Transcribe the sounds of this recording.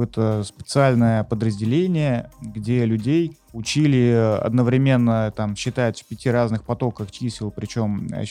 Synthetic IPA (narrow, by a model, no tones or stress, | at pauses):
ɛt̪əspʲɪ̥t̪sɨalʲnəjəpəd̪ɾəzʲdʲɪlʲenʲɪjəɡdʲe̞lʲʊdʲej | ʊt͡ɕilʲɪɐ̰d̪nəvɾʲɪmʲe̞nːət̪amɕːɪt̪ajɪt̪ʲfʲpʲɪtʲiɾaznɨxpɐt̪o̞kəxt͡ɕisʲɪlˠpɾʲɪt͡ɕo̞mɐ̰